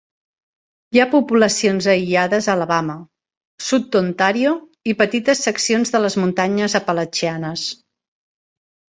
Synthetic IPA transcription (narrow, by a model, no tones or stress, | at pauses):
japupuləsionzəiaðəzələβamə | sut̪̚d̪ont̪aɾio | ipət̪it̪əsːəksionzðələzmunt̪aɲəzəpələt͡ʃianəs